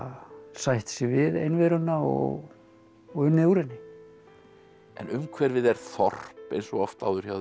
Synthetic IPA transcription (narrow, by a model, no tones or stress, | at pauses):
sajht̪sɪvɪðejnvɛɾʏnːaɔ̰ɣ | ɔɣʏnewɾɪnːɪ | ɛ̰nʏmkʰvɛɾvɪðɛɾ̥θɔr̥pḛjnsɔɣɔft̪a̰ːwðʏɾ̥çaw